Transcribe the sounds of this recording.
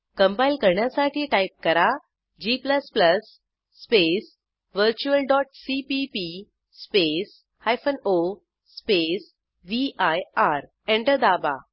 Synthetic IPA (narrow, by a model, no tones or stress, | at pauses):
kə̃mpailkəɾɳjasaʈʰiːʈaip̚kəɾa | d͡ʑipləspləsː | pes | ʋəɾt͡ɕuəlɖɔʈ̚sipipi | spes | hajfəno | spes | ʋiʔajaɾ | ẽɳʈəɾd̪aba̰